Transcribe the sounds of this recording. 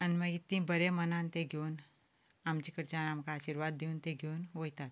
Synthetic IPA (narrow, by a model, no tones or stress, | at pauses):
ɐnmɐjit̪ːĩbɐɾemɐnãːnt̪eɡoːn | amt͡ʃikəɾt͡ʃãːnamkaːʃiɾʋaːd̪ːiunt̪eɡoːnʋoit̪at̪